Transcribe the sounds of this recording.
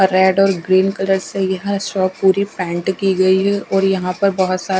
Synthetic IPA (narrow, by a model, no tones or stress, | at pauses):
ɾɛːɖɔːɾɡɾiːnkɐləɾsejɐɦãsʈɔːpuːɾipɛ̃ːɳʈkiɡɐiɦɛɔːɾjɐɦãpɐɾbɐɦʊt̪saː